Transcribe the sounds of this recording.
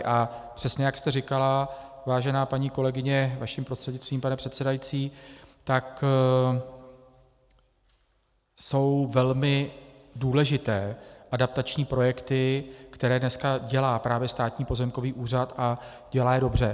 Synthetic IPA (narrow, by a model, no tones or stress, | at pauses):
ʔapr̥ɛsɲɛjakst̪ɛɾɪkala | vaːʒɛnaːpaɲiːko̞lɛɡɪɲɛvaʃimpɾost̪r̥ɛd̪ɲɪt͡st̪viːmpanɛpr̥ɛt̪sɛdajit͡siːt̪ak | so̞wvɛlmɪduːlɛʒɪt̪ɛːʔadap̚t̪at͡ʃɲiːpɾo̞jɛkt̪ɪkt̪ɛɾɛːdnɛskaɟɛlaːpɾaːvjɛst̪aːt̪ɲiːpo̞zɛmko̞viːʔuːr̝at̪ʔa | ɟ̥ɛlaːjɛdo̞br̝ɛ